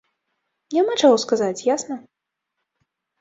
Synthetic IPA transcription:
jamat͡ʂawskazat͡sʲjasnɐ

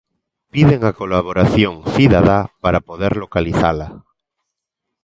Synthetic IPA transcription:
piðeŋakolaβoɾaθjoŋθiðaðapaɾapoðeɾlokaliθala

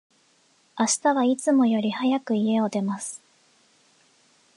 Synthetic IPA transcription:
aɕi̥t̪aβait͡sɨmo̞jo̞ɾʲihajakɯ̟ie̞o̞d̪e̞masɨ̥

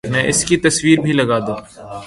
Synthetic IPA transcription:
nɛ̃ʔɪskit̪ɐswiːɾbʱilɐɡaːd̪õː

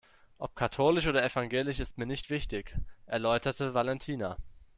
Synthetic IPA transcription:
ʔɔp̚kʰatʰoːlɪʃʔoːdɐɛfaŋɡeːlɪçɪstmiːɐnɪçtv̥ɪçtɪçʔɛɐlɔʏtɐtəvalɛntʰiːna

